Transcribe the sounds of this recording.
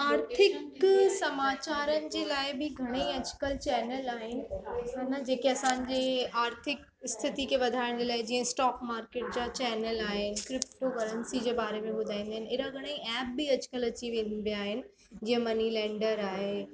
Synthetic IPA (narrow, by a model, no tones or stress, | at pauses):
aːɾt̪ʰɪksɐmaːt͡ɕaːɾənɪ̆d͡ʑeːlaːɪbɪɡʱɐɽ̃eiɐt͡ɕkəlt͡ɕɛːnəlaːɦɪnɪ̆ɐnɐd͡ʑeːkeɐsãːnɪ̆d͡ʑiaːɾt̪ʰɪk̚ | ɪst̪ʰɪt̪ikʰeʋɐd̪ʱaːɪɽ̃d͡ʑelaːɪd͡ʑĩːə̃sʈɔːkmaːɾkeːʈ̚d͡ʑat͡ɕɛːnəlaːɦɪnkɾɪpʈokɐɾənsid͡ʑeːbaːɾemẽbʊd̪ʱaːĩːnd̪aɦɪnɪɾaɡʱɐɽ̃eiɛːp̚biɐt͡ɕkəlɐt͡ɕiʋẽnbijaːɦɪnɪ̆ | d͡ʑiːə̃mɐnilɛ̃ːɳɖəɾaːɦe